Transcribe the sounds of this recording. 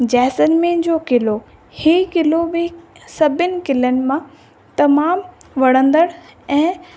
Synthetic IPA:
d͡ʑɛːsənmẽd͡ʑoːkɪlo | hiːkɪlobɪsɐbʱɪnɪ̆kɪlənɪ̆mã | t̪ɐmaːmʋɐɽ̤̃ə̃nd̪əɽɛ̃ː

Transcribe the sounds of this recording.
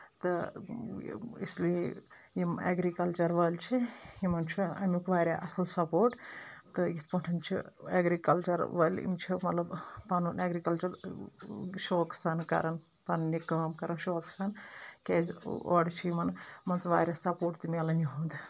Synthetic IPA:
t̪ɨ | ḭsli | jimḛɡɾikɐlt͡ʃɐɾʋɐlʲt͡ʃʰiimɐnt͡ʃʰiɐ̰mʲikʋaːɾʲaːʔɐsɐlsɐpoːɾʈt̪ɨjit̪pɐɳʈʰɐmt͡ʃʰḭeɡɾikɐlt͡ʃɐɾʋɐlʲḭmt͡ʃʰimɐt̪lɐbpɐnunaːɡɾikɐlt͡ʃɐɾ | ʃoːksankɐ̰ɾɐn | pɐnnikɐːmkɐɾɐnʃoːksaːnkʲeːzo̰ːɽt͡ʃʰiimɐnmɐnt͡sʋaːɾʲɐsɐpoːʈt̪imʲalɐnʲuɦund̪ɨ

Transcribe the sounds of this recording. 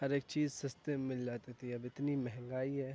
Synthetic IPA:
ɦɐɾeːk̚t͡ʃiːzsɪst̪emːɪld͡ʒaːt̪et̪ʰiɐbɪt̪nimɛɦɛ̃ŋɡaːiɦɛː

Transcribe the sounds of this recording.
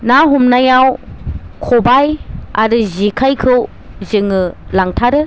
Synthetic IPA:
naɦumnajawkʰobaja̰ɾɯzikʰajkʰɯw | zɯŋɯlaŋtʰaɾɯ

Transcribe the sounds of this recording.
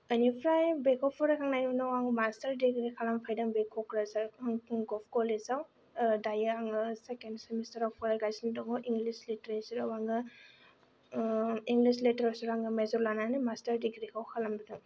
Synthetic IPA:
ənipʰɾajbekʰɔpʰɔɾakʰaŋnajninɔwaŋɡɯmastɐɾdiɡɾikʰalampʰajdaŋbekʰɔkɾazaɾɡɔpʰkɔlezaw | dajaaŋɯsekendsemistɐɾapʰɔɾajɡajsindɔŋɔʔiŋɡlisliteɾaɾisiɾawaŋɡɯ | iŋɡlislitɾasuɾaŋɡɯmezɔɾlananimastɐɾdiɡɾikʰawkʰalambidɯŋ

